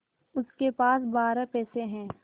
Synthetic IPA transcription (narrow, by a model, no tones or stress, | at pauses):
ʊskepaːsbaːɾapɛːseɦɛ̃ː